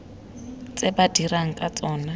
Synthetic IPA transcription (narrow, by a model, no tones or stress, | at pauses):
t͡sebadiraŋ̩kʼat͡sʼɔːna